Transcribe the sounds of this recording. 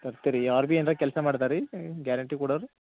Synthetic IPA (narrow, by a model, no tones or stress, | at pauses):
t̪ɐɾt̪iɾiaːɾbienɾɐkɛlsɐmaːɽt̪aːɾiɡaːɾɐɳʈikuːɽɐɾu